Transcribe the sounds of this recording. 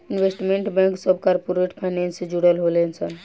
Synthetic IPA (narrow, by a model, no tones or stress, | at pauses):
inʋesʈmeɳʈbɛ̃ŋksəbʱkaɾpoɾeʈpʰaɪnensed͡ʒuɽəlɦolensən